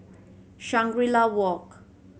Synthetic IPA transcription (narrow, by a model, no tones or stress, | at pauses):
ʃaŋɡɾilawɔk